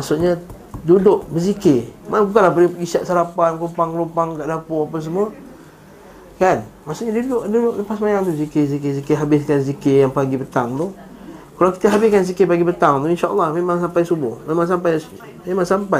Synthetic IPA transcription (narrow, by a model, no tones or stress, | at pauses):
maʔsuʔɲə | dudʊʔbəzikemabukanlahpəlɪŋɡisaʔ̪saɾapanklumpaŋkəlumpaŋkaʔdapʊapas̬əmuə | kanmaʔsuʔɲadudʊʔdudʊʔləpasmajaŋt̪uzikezik̬ezikeɦabɪskanzikejaŋpaɡipət̪aŋt̪u | kalawki̥t̪əɦabɪskanzikepaɡibət̪aŋt̪uinʃaʔə̰lːɑhmemaŋs̬ampajsubʊhmemaŋs̬ampaj | memaŋsampa